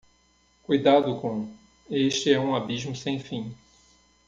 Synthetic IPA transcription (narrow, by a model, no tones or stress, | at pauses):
kujd̪ad̪ʊkõ | eʃt͡ʃɪɛũabiʒmʊsẽj̃fĩ